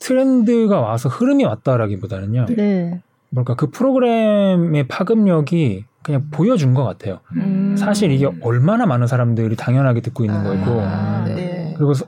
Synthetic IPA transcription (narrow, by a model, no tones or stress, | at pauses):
tʰɯɾe̞ndɯɡawasʰʌhɯɾɯmiwat̚t͈aɾaɡibodanɯɲone | bʌɭk͈akɯpʰɯɾoɡɯɾe̞me̞pʰaɡɯmɲʌɡikɯɲaŋpojʌd͡ʑunɡʌk͈a̰tʰe̞josʰaɕʰiɾiɡe̞ʌɭmanamanɯnsʰaɾamdɯɾitaŋjʌnɦaɡedɯk͈̚oinːɯnɡʌiɡo | kɯɾiɡos̬